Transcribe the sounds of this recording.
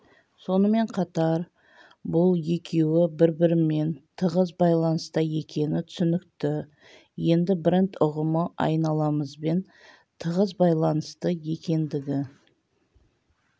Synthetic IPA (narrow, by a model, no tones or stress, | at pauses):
so̞nəme̞ɴqʰɑt̪ɑɾ | bʊlˠje̞kʲʰe̞wɪbɪɾbɪɾɪme̞nt̪ʰəʁəzbɑjlˠɑnəst̪ɑje̞kʲʰe̞nɪt̪ʰʏ̥sʏnɪkt̪ɪ | je̞nd̪ɪbɪɾɪnt̪ʊʁəməʔɑ̰jnɑlˠɑməzbe̞n | t̪ʰəʁəzbɑjlˠɑnəst̪əje̞kʲe̞nd̪ɪɡʲɪ